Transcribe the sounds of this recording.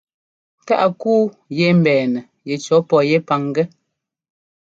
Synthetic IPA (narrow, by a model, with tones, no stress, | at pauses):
ta̰˦ʔa˨kuː˦ | je˦m̩˨bɛː˨nɛ˨ | jɛ˨t͡ʃɔ˨˦pɔ˦˨je˦pa˨ŋ˦ɡɛ˦